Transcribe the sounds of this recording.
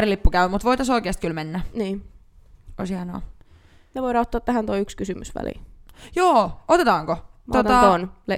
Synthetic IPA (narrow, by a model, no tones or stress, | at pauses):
rilipːukæyʋæmut̪ʋoit̪ɑsoikeːst̪kylmenːæniː | oishiɑno̰ː | neʋoiɾɑot̪ːɑːt̪ːæhænt̪oiykskysymysʋæ̰lḭjoːot̪et̪ɑːŋkooot̪t̪ɑonle